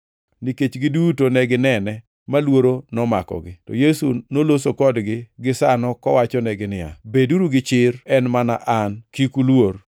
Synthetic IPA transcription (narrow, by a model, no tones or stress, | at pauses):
niket͡ʃɡɪdutonɛɡɪnɛnɛ | malwoɾonɔma̰kɔ̰ɡɪtɔ̰jesunolosokɔdɡɪɡɪsanɔkɔ̰wat͡ʃɔnɛɡɪnɪja̰beduɾuɡɪt͡ʃɪɾɛnmana̰ʔankikulwoɾ